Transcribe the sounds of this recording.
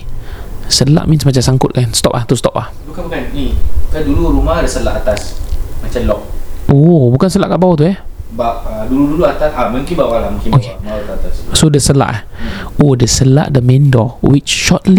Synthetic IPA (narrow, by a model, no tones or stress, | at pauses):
səla̰ʔmĩnsmat͡ʃamsaŋkʊt̪̚kanst̪ɔp̚laht̪ust̪ɔp̚lahbukanbukanniukaduluɾumahdəsəlaʔat̪asmat͡ʃalɔk̚obukansəla̰ʔkaʔbawot̪uɛhbaʔəduluduluat̪asamũŋkinbawalahmũŋkinokemawut̪uat̪assodəsəla̰ʔ | odəsəla̰ʔdəmɛ̃ndɔwit͡ʃʃɔt̪li